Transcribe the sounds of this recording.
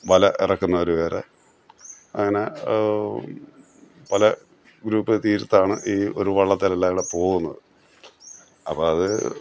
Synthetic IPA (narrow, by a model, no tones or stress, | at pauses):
ʋɐlɐʔḭrɐkːunːɐoɾuʋeːɾe | ɐŋːɐne̞ | pɐlɐ | ɡɾuːpːɨt̪iːɾut̪ːaːɳɨʔiːo̞ɾuʋɐɭːɐt̪ːilɐlːaːʋiɽepo̞ːɣunːɐðɨ | ɐpːoɐðɨ̰